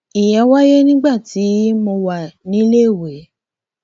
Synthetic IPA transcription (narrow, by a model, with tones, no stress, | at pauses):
i˨jɛ˨˦wa˦je˦nĩ˦ɡ͡ba˦˨ti˨˦mõ˧wa˨nĩ˨˦le˦˨we˨˦